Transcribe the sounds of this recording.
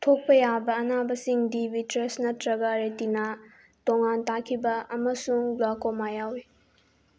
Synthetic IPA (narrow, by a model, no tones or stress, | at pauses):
tʰok̚pɐjabɐɐnabɐsiŋdibitɾesnɐtɾɐɡɐɾetina | toŋantakʰibɐʔɐmɐsuŋblakomajawi